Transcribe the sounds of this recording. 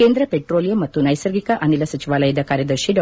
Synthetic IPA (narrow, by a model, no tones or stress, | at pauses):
eːnd̪ɾɐpeʈɾoːlijomɐt̪ːunɐjsɐɾɡikɐʔɐnilɐsɐt͡ʃiʋaːlɐjɐd̪ɐkaːɾjɐd̪ɐɾʃiɖ